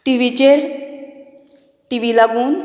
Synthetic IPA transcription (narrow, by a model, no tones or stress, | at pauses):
ʈiʋid͡ʒeɾ | ʈiʋilaɡun